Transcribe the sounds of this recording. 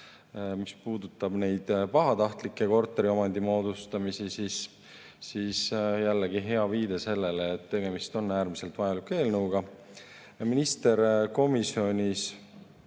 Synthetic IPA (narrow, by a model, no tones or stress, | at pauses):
mispuːd̪ut̪ːˑɑbne̞jd̪̥pɑɦɑt̪ɑht̪likːˑeko̞rt̪ːˑe̞ɾio̞mɑnd̪imo̞ːd̪ust̪ɑmisisis | sisjælːeɡiɦe̞ɑviːd̪e̞se̞lːe̞leːt̪ːe̞ɡe̞mist̪o̞nːæːɾmise̞lt̪vɑjelukːˑe̞ːlnəwɡ̥ɑ | minist̪e̞ɾko̞misio̞nʲis